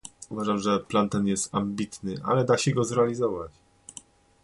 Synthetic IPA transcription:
uvaʐamʐɛplant̪ɛnjɛst̪ambʲit̪nɘʔa̰lɛd̪aɕɛɡɔzɾɛalʲizɔvat͡ɕ

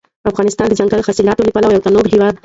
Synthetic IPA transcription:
ɐfɣaːnɪst̪aːnd̪id͡ʒɐ̃ŋɡalxɐsilaːt̪olipɐlaʋjɐw̚t̪anoːɡɦiʋaːd̪

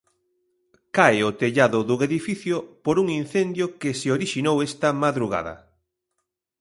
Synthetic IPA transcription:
kajot̪eʎaðʊðuɣeðifiθjʊpoɾuŋin̟θend̪jʊkɪseoɾiʃinowest̪ɐmaðɾuɣ̞a̰ðɐ̰

